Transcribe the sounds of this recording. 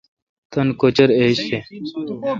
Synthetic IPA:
t̪ɐnkot͡ɕɐɾeɕe

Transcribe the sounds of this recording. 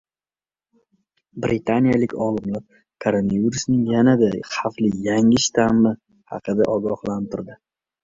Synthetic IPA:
bɾɪt̪ʰanijalɪkʲɒlˠɪmlap̚ | kʰoɾonaviɾusnɪŋjanad̪aχaflɪjaŋɪʃt̪ʰamːɪ | hɑ̰qʰɨd̪aʔɒɡɒhlˠant̪ɪɾd̪ɪ

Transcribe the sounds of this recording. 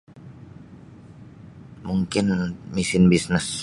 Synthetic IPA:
muŋkɪnmisɪnbisnɪs

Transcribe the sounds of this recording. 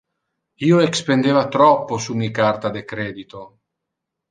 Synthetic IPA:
iːoekspend̪eːvat̪ɾɔpːosumikart̪ad̪ekɾeːd̪it̪o

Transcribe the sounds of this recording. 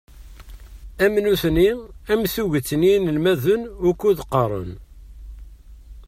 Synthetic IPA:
æmnuθniæmθuʝət͡sːninəlmæðʊnʊkːuðqːəɾˤə̰n

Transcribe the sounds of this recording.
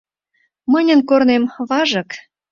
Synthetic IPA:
mənʲə̆nkornemβɑʒɤ̆k

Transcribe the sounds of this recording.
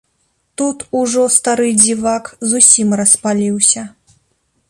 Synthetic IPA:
t̪ut̪uʐɔst̪aɾɨd͡zʲivakzusʲimrɐspalʲiwsʲɐ

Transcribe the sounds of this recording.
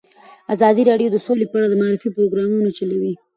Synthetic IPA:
azɑd̪iɾɑɖjod̪əsolepəaɽad̪əmaaɾifipɾoɡɾɑmunot͡ʃalawi

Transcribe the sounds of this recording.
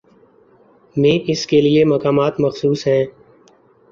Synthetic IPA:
mẽːʔɪskelieməkaːmaːt̪məxsuːsɦɛ̃ː

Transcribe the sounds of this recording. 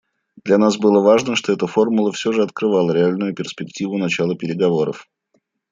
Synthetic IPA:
d̪lʲɐnasbɨlˠəvaʐnəʂt̪o̞ɛt̪əfo̞rmʊlˠəfsʲo̞ʐɨɐt̪kɾɨvalˠəɾʲɪalʲnʊjʊpʲɪrspʲɪktʲivʊnɐt͡ɕalˠəpʲɪɾʲɪɡɐvo̞ɾə̰f

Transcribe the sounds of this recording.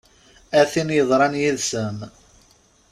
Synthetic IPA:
æθinjəðˤɾˤɑnjiðsəm

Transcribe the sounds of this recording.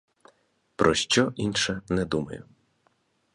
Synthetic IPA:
pɾʔɔʃt͡ʃɔʔinʃɛnɛd̪umɐ̰jʊ

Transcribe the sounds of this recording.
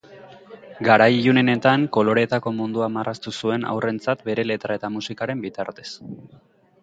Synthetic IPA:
ɡaɾajʎune̞ne̞t̪aŋko̞lo̞ɾe̞t̪ako̞mund̪uamarʔast̪usue̞na̰wre̞nt͡sat̪be̞ɾe̞le̞t̪ɾae̞t̪amusikaɾe̞mbit̪aɾt̪e̞̥s

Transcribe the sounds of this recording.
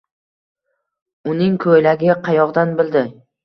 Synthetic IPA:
ʊnɪŋkʰojlaɡʲɪqʰɑjɒʁd̪anbɪld̪ɪ

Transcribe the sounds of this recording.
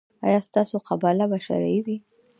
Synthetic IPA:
ɑ̰jɑst̪ɑsoqabalabaʃa̰ɾa̰jwi

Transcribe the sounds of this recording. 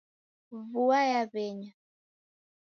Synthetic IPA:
vuajaβɛɲa

